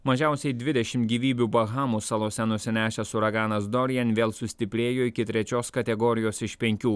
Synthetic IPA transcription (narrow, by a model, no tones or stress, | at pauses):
mɐʒʲɛˑʊsʲɛɪd̪ʲʋʲɪd̪ʲɛʃʲɪmt̪ɡʲiːʋʲiːbʲubɐɣɑːmusɐlˠoːsʲɛnʊsʲɪnʲæːʃʲɛsʊɾɐɡɑːnɐsd̪ɔɾʲjɛnʲʋʲeːlˠsʊsʲt̪ʲɪpʲɾʲeːjoːɪkʲɪt̪ʲɾʲɛt͡ʃʲoːskɐt̪ʲɛɡɔɾʲɪjoːsɪʃpʲɛŋʲkʲuː